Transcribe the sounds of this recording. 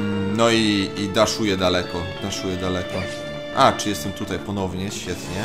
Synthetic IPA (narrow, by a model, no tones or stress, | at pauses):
nɔiːd̪aʂujɛd̪alɛkɔd̪aʂujɛd̪alɛkɔ | ʔat͡ʂɨjɛst̪ɛmt̪ut̪ajpɔnɔvɲɛɕfʲjɛt̪ɲɛ